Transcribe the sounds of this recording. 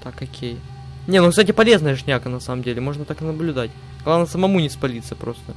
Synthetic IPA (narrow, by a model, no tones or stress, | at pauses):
t̪akɐkʲʰej | nʲenukst̪atʲɪpɐlʲe̞znəjəʂnʲakənɐsaməmdʲelʲɪmo̞ʐnət̪akɨnəblʲʊd̪atʲ | ɡ̥lˠavnəsəmɐmunʲɪspɐlʲit̪səpɾo̞st̪ə